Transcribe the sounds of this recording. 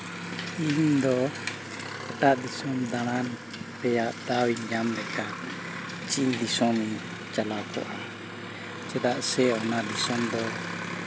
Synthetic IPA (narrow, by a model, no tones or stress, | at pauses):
ind̪ɔ | ɛt̪aʔd̪isɔmd̪aɽ̃an | pɛjaʔd̪awiɲd͡ʒamdɛka | t͡ʃind̪isɔmi | t͡ʃalawkʰɔ̰ʔa | t͡ʃɛd̪aʔsɛɔnad̪isɔmd̪ɔ